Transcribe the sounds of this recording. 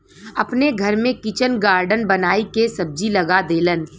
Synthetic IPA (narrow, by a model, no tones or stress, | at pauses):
ɐpneɡʱɐɾmẽkɪt͡ʃənɡaːɾɖənbɐnaːikesɐb̚d͡ʒilɐɡad̪eːlən